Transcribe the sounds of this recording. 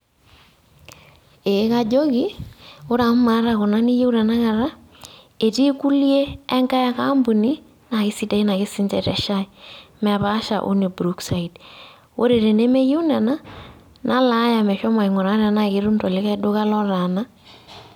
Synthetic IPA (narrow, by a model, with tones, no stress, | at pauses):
e˨˦ka˦d͡ʒo˦ki˦o˦ɾa˨m˦ma˨˦ɾa˨ko˨na˦ni˦je˦u˦na˨na˦ka˨ɾa˦ | e˨ti˦ku˦ljeː˦ŋɡa˦ja˦ka˦mbu˨ni˦ | na˨kɪ˦si˦ta˨i˦na˨ki˦si˦ntɛ̰˨tɛ̰˨ʃa˦imɛ˨βa˦ʃa̰˨ʔṵ˦ne˨bɾu˦ksa˨i˨t | wo˦ɾe˨ɾe˨ne˦me˦je˦u˦na˨na˦ | nʔa˦la˦ja˨mɛ˨ʃɔ˦ma˨i˨ŋɔ˨ɾa˦ɾa˨na˦ki˨˦ɾu˦ntɔ˨le˦ka˦do˦ka˦lɔ˦ɾa˨na˦